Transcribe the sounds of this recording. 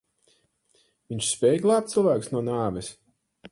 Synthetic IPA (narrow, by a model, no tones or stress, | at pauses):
viɲʲt͡ʃspʲɛːjɡlˠɑːpt̪silˠvæːkusnuɔnaːvɛs